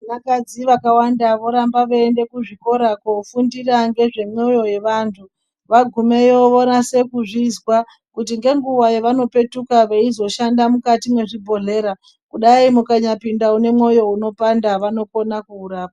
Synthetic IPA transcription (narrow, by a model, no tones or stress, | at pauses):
nakad͡ziʋakawandaʋo̞ɾambaʋeende̞kuʐiko̞ɾakofundiraŋɡe̞ʐe̞mo̞jo̞je̞ʋantʰu | ʋaɡʱume̞joonase̞kuʐizwa | kutiŋɡe̞ŋɡuwajeʋano̞pe̞tukaʋeizo̞ʃandamukatimwe̞ʐibʱo̞ɮe̞ːɾa | kuɗaimukaɲapindaune̞mwo̞jo̞uno̞pandaʋano̞ko̞nakuːɾaːpa